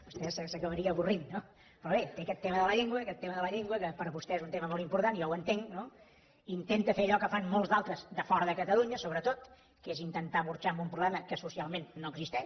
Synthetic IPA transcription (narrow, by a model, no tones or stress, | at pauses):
bust̪ɛsəsəkəβəɾiəːβurinːo | pɾɔβet̪eəkɛt̪ːeməðələʎeŋɡwəkɛt̪ːeməðələʎeŋɡwəkəpəɾβust̪ɛezunt̪eməmolˠimpuɾt̪anijɔwənt̪eŋno | int̪ent̪əfeɾəʎɔkəfanmolˠzd̪alˠt̪ɾəzd̪əfɔɾəðəkət̪əluɲəsoβɾət̪ot̪ | kezint̪ənt̪aβuɾt͡ʃambumpɾuβlɛməkəsusialˠmenːoəɡzist̪ɛʃ